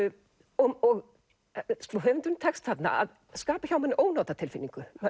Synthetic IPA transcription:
ɔɔɣ | st̪ɔɦœvʏnt̪ʏnːt̪ʰɛkst̪θat̪na̰a̰ð | skaːpaçawmɛnːɪʔoːwnaːwt̪at̪ʰɪlfɪnːiŋkʏ

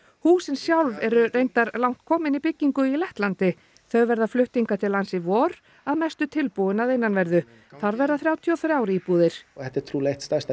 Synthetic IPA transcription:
huːsɪnsjawlvɛɾʏrejnt̪aɾlawŋ̥t̪̚kʰɔːmɪnipɪcːiŋkʏilɛht̪lant̪ɪ | θœɣvɛɾðaflʏht̪iŋkat̪ʰɪlːansɪvɔːɾ | aðmɛjst̪ʏt̪ʰɪlpuðɪnaðejnːanvɛɾðʏ | θaɾvɛɾðaθɾjaːwt̪ʰiɔθɾjaːwɾɪipuːðɪɾ̥ɛht̪ːɛɾ̥t̪ʰɾuːlejht̪st̪ast̪a

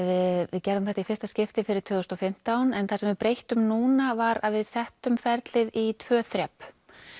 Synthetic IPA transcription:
vɪðvɪðcɛɾðʏmθɛht̪aifɪɾ̥st̪ascɪft̪ɪfɪɾɪɾ̥t̪ʰʏðʏst̪ɔfɪm̥t̪awnɛnθasɛmvɪðpɾejht̪ʏmnuːnavaɾaðvɪðsɛht̪ʏmfɛɾt̪lɪðit̪ʰvœːθɾjɛp

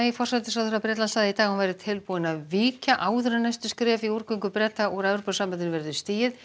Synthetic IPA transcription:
ifɔr̥sat̪ɪsawðɾapɾɛːt̪lanst̪aːðɪit̪aːɣanvajɾɪt̪ʰɪlpuːɪnaðviːcaʔaːwðʏɾanajst̪ʏskɾɛːfiuɾ̥kʏŋkʏpɾɛt̪ːaɔɣɾavɾɔpʏsampɛðɪɾvɛɾðʏst̪iːjɪð

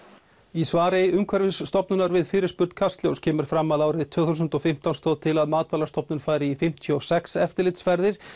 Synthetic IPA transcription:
isvaːɾɪʏmkʰvɛɾvɪsːt̪ɔpnʏnaɾvɪðfɪːɾɪ̥spʏɾt̪kʰast̪ljowscʰɛːmʏɾ̥fɾamːaðaːwɾɪðt̪ʰvœːɣθusʏnt̪ɔfɪm̥t̪anst̪oːwðt̪ʰɪlaðmaːt̪valast̪ɔpnʏnfaːjɾɪifɪm̥t̪ʰjɔsɛksɛft̪ɪɾlɪt̪sfɛɾðɪɾ̥

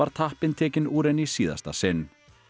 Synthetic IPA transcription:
aɾ̥t̪ʰahpɪnt̪ʰɛːcɪnuːɾɛnisiːða̰st̪a̰sɪnː

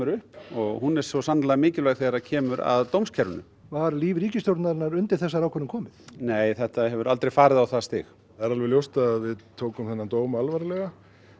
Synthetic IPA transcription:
ʏɾʏhpɔɣhunɛɾ̥sɔsanlaɣmɪːcɪlvaɣθejɣɾacʰɛːmʏɾa̰ðt̪owmscʰɛɾʏnʏ̰ | vaɾliːvɾiːcɪst̪jowɾt̪naɾɪnːaɾʏnt̪ɪɾ̥θɛsːaɾawkʰɛnːɪmkʰɔːmɪθneːjθɛht̪ahɛvʏɾalt̪ɾejfaːɾɪðawθast̪ɪ̰x | ɛɾalvɛljowst̪aðvɪðt̪ʰoːwkʏmθɛnːat̪oːwmaalvaɾɪlɛɣa

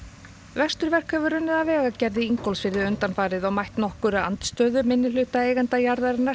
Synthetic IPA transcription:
vɛst̪ʏɾvɛr̥kʰœːvʏɾʏnːɪðavɛːɣacɛɾðɪiŋkɔlsfɪɾðɪʏnt̪anfaːɾɪðɔɣmajht̪nɔhkʏɾaa̰nt̪st̪œːðʏmɪnːɪlʏːht̪aeːjɣant̪ajaɾðaɾɪna

